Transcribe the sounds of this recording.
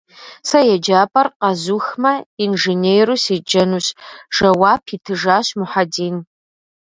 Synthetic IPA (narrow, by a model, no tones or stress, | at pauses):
sajad͡ʒapʼarqʼazuxmɐinʐenejrusid͡ʒɐnuɕʒ̥ɐwapʰitʰɨʐaʃmuħadiːn